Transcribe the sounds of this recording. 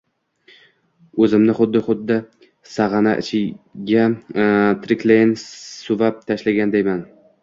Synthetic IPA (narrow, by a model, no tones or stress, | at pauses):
ɵzɪmnɪχʊd̪ːɪχʊd̪ːɪ | saʁɑna̰ʔt͡ʃʰɪɡʲa | t̪ʰɾɪklejnsʊvap̚t̪ʰaʃlaɡʲand̪ejman